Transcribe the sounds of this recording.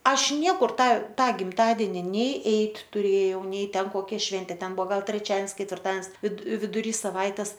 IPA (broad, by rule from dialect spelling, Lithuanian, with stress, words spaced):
ˈɐʃ ˈnʲiɛkʊr ˈtɑː ˈtɑː ɡʲɪmˈtɑːdʲɛnʲɪ nʲɛɪ ˈɛɪtʲ tʊˈrʲeːjɛʊ ˈnʲɛɪ ˈtʲɛn koːˈkʲɛ ˈʃʲʋʲɛnʲtʲeː ˈtʲɛn ˈbʊʋoː ˈɡɐlˠ tʲrʲɛˈt͡ʃʲɛns kʲɛtʲʋʲɪrˈtɐns ʋʲɪt ʋʲɪdʊˈrʲiː sɐˈʋɐɪtʲɛs